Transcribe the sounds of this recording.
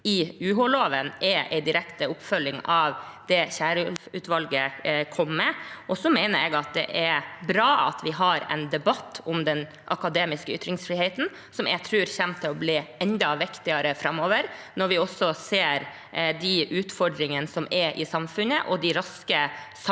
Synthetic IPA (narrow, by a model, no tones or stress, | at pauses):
ɪʉːɦɔloːʋənʔɛɾʔɛ̰ɪd̪ɪɾɛkt̪əʊpːfœlːɪŋɑʋd̪̥ɛçæːɾʉːt̪ʋɑlɡəkʰɔmːɛʔɔsɔmeɪnəɾɛɡɑt̪̚d̪ɛ̰ʔɛɾbɾɑːɑ̰t̪ʋɪɦɑɾɛ̰ɪnd̪ɛbɑt̪ːɔmd̪ɛn | ʔɑkɑd̪eːmɪskəʏt̪ːɾɪŋsfɾiːheɪt̪n̩ | sɔmɛɡt̪ʰɾʉːɾçɛmt̪ʰːɪlɔbliːɛnd̪ɑʋɪkt̪ɪɑɾəfɾɑmːoːʋəɾnɔɾʋɪɔsɔseːɾ | d̪iʔʉːt̪fɔɖɾɪŋənsɔmɛɾʔɪsɑmfʉnəʔɔd̪ɪɾɑskəsɑ